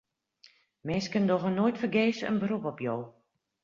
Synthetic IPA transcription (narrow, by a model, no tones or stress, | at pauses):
mɪːskəndɔxənojtfərɡeːsə̰nbərupɔpjow